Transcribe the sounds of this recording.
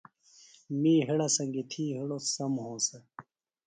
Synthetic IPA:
miːɦeɽɐsɐŋɡit̪ʰiːɦiɽosɐmhõːsɐ

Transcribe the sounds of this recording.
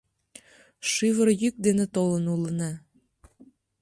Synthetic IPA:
ʃɨβəɾjyk̚d̪enet̪olənulənɑ

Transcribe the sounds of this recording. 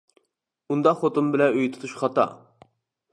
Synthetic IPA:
und̪ɑχot̪umbɪlɛøjt̪ʰu̥t̪ʰuʃχɑt̪ɑ̰

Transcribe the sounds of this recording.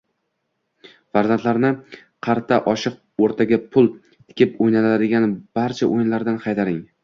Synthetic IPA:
vaɾzant̪ʰlaɾnɪ | qʰɑɾt̪ʰaʔɒʃɨq̚ | oɾt̪ʰaɡʲapʰʊlˠ | t̪ʰɪ̥kʲʰɪpojnalad̪ɪɡʲanb̥aɾt͡ʃʰaʔojɪnlaɾd̪anqʰɑjt̪ʰaɾɪŋ

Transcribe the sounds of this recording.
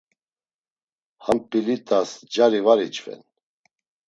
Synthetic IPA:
hampʼilit̪ʼasd͡ʒaɾivaɾit͡ʃʼvɛ̰n

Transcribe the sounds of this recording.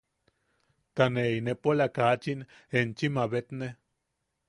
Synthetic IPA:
t̪aneinepolakat͡ʃin | ent͡ʃimaβet̪ne

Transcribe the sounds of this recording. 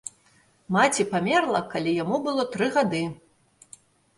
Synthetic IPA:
mat͡sʲipamʲɛrlˠɐkalʲijamubɨlˠɔt̪ɾɨɣad̪ɨ

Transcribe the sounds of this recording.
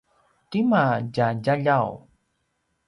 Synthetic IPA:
timaɟaɟaʎaw

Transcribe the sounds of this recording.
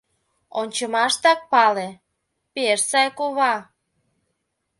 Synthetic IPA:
onʲt͡ɕəmɑʃt̪ɑk̚pɑle | peʃsɑjkoβɑ

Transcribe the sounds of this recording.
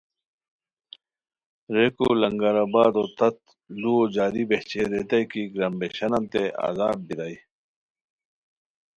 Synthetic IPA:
ɾeːkolɐŋɡaɾabaːd̪oːt̪ɐt̪̚ | luod͡ʑaːɾibeht͡ɕeɾeːt̪ɐjkiɡɾɐmbeɕɐnɐnt̪ea̰ːzaːb̚biɾai

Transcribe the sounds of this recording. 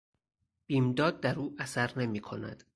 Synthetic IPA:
b̥iːmd̪ɒːd̪̚ːæɾuːʔæsæɾne̞miːkʰo̞næ̰d̪̥

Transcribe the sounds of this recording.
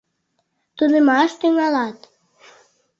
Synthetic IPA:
t̪ud̪əmɑʃt̪yŋɑlɑt̪

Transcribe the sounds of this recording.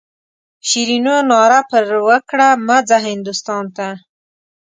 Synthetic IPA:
ʃiɾinonɑɾapəɾwəkɽamad͡zaɦɪnd̪ʊst̪ɑnt̪a

